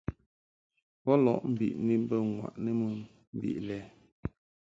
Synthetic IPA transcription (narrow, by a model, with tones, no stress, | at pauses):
pɔ˦lɔ̰˨ʔm̩˨bḭ˨ʔni˦m˦bə˦ŋwa̰˨ʔnə˦mə˦ | m̩˨bḭ˨ʔlɛ˨˦